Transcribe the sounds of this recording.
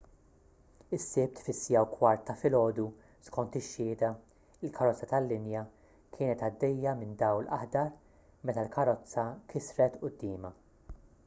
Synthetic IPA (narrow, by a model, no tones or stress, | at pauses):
ɪsːɪp̚t̪fɪsːɪjɐwkwɐɾt̪ːɐfɪlɔːd̪u | skɔnt̪ɪʃːɪːd̪ɐ | ɪlkʰɐɾɔt͡sːɐt̪ɐlːɪnjɐ | kʰɪːnɛt̪ɐd̪ːɛjːɐmɪnd̪ɐwlʔɐ̰ħd̪ɐɾ | mɛt̪ɐlkʰɐɾɔt͡sːɐkʰɪsɾɛt̪ʊd̪ːɪːmɐ